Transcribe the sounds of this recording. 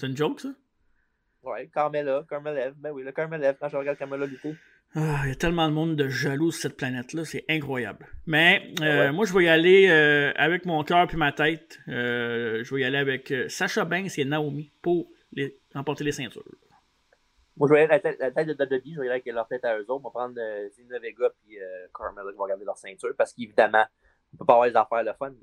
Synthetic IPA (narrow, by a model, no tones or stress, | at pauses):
seynd͡ʒɔʊksʌ | wɛ̰kɑʁmelakɑməlɛvbɛ̃wiləkɑməlɛvkɑ̃ʒəʁəɡad̪kaʁmelalyt̪e | ajat̪ɛlmɑ̃d̪əmɔ̃d̪d̪əʒalussɛt̪̚planɛt̪lʌsɛʔɛ̃kχwaja̰blmɛømwaʒəvœialeøa̰vɛkmɔ̃kʲœːʁpimat̪ɛɪt̪øʒəvœialeavɛkəsaʃabɛ̃senaomipʊʁ | leʁɑ̃pɔʁt̪elesɛ̃t̪y̰ːʁ | mwaʒəvɑjalelat̪ɛt̪lat̪aɛjt̪̚d̪əd̪ad̪əbiʒəvɑjad̪ɛklœʁt̪ɛɪt̪aøːzoʊt̪̚vɔpʁɑ̃d̪əsinəveɡɔpiøkʰɔmɛlɔkvɔʁɡaʁd̪elœːʁsɛ̃t͡syːʁpaʁsə̥kevid̪amã | ɔ̃pøpavwaːʁd̪ezafæːʁləfɔn